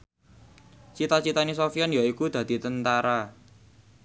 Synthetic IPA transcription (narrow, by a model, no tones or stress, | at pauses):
t͡ʃit̪at͡ʃit̪anis̬ofianjaikud̪̥ä̤d̪̥i̤t̪ənt̪aɾa